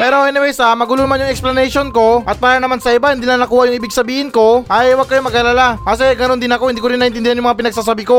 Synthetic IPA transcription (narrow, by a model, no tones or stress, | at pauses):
pɛːɾoʔɛnɪwɛjsɐmɐɡʊluːmɐnjʊŋɛksplɐnɛjʃonko̞ʔɐt̪̚paːɾɐnɐmansɐʔɪbahɪnd̪iːnɐŋnɐkuːhɐʔjʊŋʔɪbɪɡsɐbiːhɪnko̞ʔɐjwɐɡ̚kɐjomɐɡalalaas̬ɛɡɐnond̪ɪnɐko̞hɪnd̪iːkoɾɪnːɐʔɪnt̪ɪnd̪ɪhanjʊmɐŋapɪnɐɡ̚sasabɪko̞